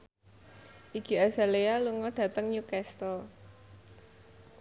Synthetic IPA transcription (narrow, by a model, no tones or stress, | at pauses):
ʔiɡ̥iaza̤lealuŋɔɖ̥ä̤t̪əŋɲukɛst̪ɔ